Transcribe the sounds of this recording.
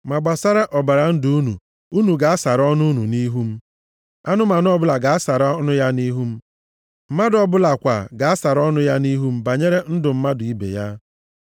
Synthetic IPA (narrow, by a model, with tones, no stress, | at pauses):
ma˨ɡ͡ba˨sa˦ɾa˦ʔɔ˨ba˨ɾa˨n̩˦du˦u˦nṵ˨ | u˦nu˨ɡa˨a˦sa˨ɾɔ˦nʊ˦u˦nṵ˨ni˦ɦu˦m̩˦ | a˦nʊ˦ma˨nʊ˦ɔ˦bʊ˦la˨ɡa˨a˦sa˨ɾɔ˦nʊ˦ja˦ni˦ɦu˦m̩˦ | m̩˦ma˦dɔ˨bʊ˦la˨kʷa̰˨ɡa˨a˦sa˨ɾɔ˦nʊ˦ja˦ni˦ɦu˦m̩˦ba˨ɲe˦ɾe˦n̩˦dʊ˨m̩˦ma˦dʊ˨i˦bḛ˨ja˦